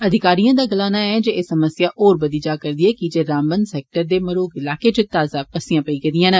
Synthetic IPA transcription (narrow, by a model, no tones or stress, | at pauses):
əd̪ʱɪkaːɾijãːd̪aːɡəlaːnaːɛd͡ʒeːeːsəməsɪjaːʔoːɾbəd̪iːd͡ʒaːkəɾd̪iɛːkid͡ʒeːɾãːmbənsɛːk̚ʈəɾd̪eːməɾoːɡɪlaːkeːt͡ʃʊt̪aːzaːpəsɪjãːpəiːkəd̪ijãːnə